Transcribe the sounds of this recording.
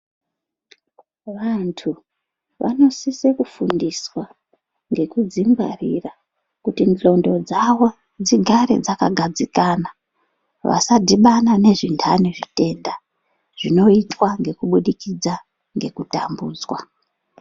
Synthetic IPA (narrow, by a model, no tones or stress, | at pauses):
ʋantʰu | ʋʔa̰no̞sisekufundiswa | ŋɡe̞kud͡zimɡarira | kutind͡ɮo̞ndo̞d͡zawo̞ | d͡ziɡʱaɾḛd͡zakaɡʱad͡zikana | ʋa̰sadʱiɓanane̞ʐintʰaniʐite̞nda | ʐ̥ino̞itwaŋɡe̞kuɓuɗikid͡za | ŋɡe̞kutambuːd͡zwa